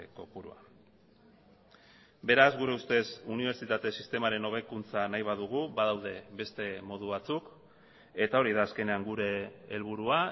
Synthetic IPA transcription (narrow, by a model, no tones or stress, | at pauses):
ko̞puɾṵa̰ | be̞ɾazɡuɾe̞ust̪e̞suniβ̞e̞ɾt͡ʃit̪at̪e̞sist̪e̞maɾe̞no̞β̞e̞kunt͡sanajβ̞að̞uɣ̞uβaðawðe̞βbe̞st̪e̞mo̞ð̞uβat͡suk | e̞t̪ao̞ɾiðaːske̞ne̞aŋɡuɾe̞ːlβ̞uɾua